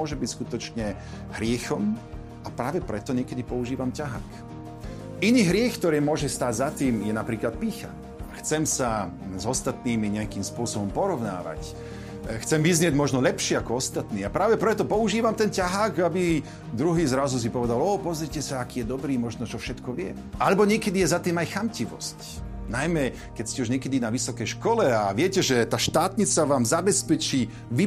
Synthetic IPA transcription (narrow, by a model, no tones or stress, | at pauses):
ɔʒɛbicskut̪ɔt͡ʃɲɛ | ɦɾɪɛxɔm | apɾaːʋɛpɾɛt̪ɔɲɪɛkɛd̪ipɔuʒiːʋamcaɦa̰ːk | iniːɦɾɪɛxkt̪ɔɾiːmʊɔʒɛst̪aːɟzat̪iːmjɛnapɾiːklat̪̚piːxa̰ | xt͡sɛmsazɔst̪at̪niːmiɲɛakiːmspʊɔsɔbɔmpɔɾɔʋna̰ːʋa̰c | xt͡sɛmʋizɲɪɛɟmɔʒnɔlɛpʃɪɛakɔɔst̪at̪niːapɾaːʋɛpɾɛt̪ɔpɔuʒiːʋamt̪ɛncaɦaːkabi | d̪ɾuɦiːzɾazus̬ipɔʋɛd̪alɔːpɔzɾicɛsaakiːjɛd̪ɔbɾiːmɔʒnɔt͡ʃɔfʃɛt̪kɔʋɪɛ̰ | ʔalɛbɔɲɪɛkɛd̪ijɛzat̪iːmajxamciʋɔ̰sc | najmɛ | kɛcscɛuʒɲɪɛkɛd̪inaʋisɔkɛjʃkɔlɛaʋɪɛcɛʒɛt̪aːʃt̪aːt̪ɲit͡saʋaːmzabɛspɛt͡ʃiː | ʋi